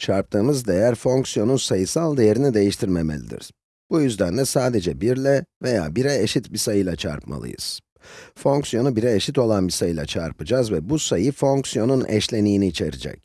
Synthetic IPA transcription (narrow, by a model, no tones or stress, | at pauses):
t͡ʃʰaɾp̚t̪ʰɯːmɯzd̪e̞jæɾfo̞ŋksijo̞nunsajɯsalˠd̪ejeɾinid̪e̞jiʃt̪ʰiɾmemḛlʲḭd̪ḭɾ̥ | b̥ujyzd̪ænlʲɛsaːd̪e̞d͡ʒɛbiɾlʲɛve̞ja̰ːbiɾɛeʃit̪bisajɯlˠat͡ʃʰa̰ɾpma̰lˠɯ̰jɯ̰z̥ | fo̞ŋksjo̞nubiɾɛːʃit̪o̞lˠanbisajɯlˠa̰t͡ʃʰa̰ɾpɯd͡ʒazvɛbusajɯfo̞ŋksijo̞nunʔɛ̰ʃlʲe̞nijːniːt͡ʃʰe̞̰ɾḭd͡ʒɛ̰c